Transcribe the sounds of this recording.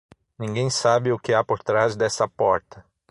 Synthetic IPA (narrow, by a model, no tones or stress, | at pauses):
nĩɡẽj̃sabɪʊkɪapoɾt̪ɾazd̪ɛsɐpɔɾt̪ɐ